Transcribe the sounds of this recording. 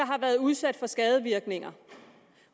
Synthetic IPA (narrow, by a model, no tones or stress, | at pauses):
ɑ̈ɦɑ̈ʋæːɐðˠuð̞ˠsæd̥fɒ̽sɡ̥ɛːð̞ˠəʋiɐɡ̥ne̝ŋɐ